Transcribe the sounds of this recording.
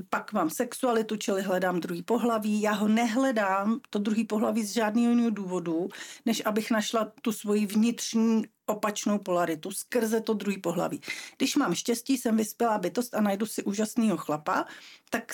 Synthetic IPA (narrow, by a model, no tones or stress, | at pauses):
pakmaːmsɛksualɪt̪ut͡ʃɪlɪɦlɛdaːmd̪ɾuɦiːpo̞ɦlaviːjaːɦo̞nɛɦlɛdaːmt̪o̞d̪ɾuɦiːpo̞ɦlaviːzʒaːdniːɦojɪniːɦoduːvo̞dunɛʃʔabɪxnaʃlat̪usvo̞jivɲɪt̪r̥ɲiːʔo̞pat͡ʃno̞wpo̞laɾɪt̪uskr̩zɛt̪o̞d̪ɾuɦiːpo̞ɦla̰vḭːɡdɪʃmaːmʃcɛsciːsɛmvɪspjɛlaːbɪt̪o̞st̪anajdusɪʔuːʒasniːɦo̞xlapa̰t̪ak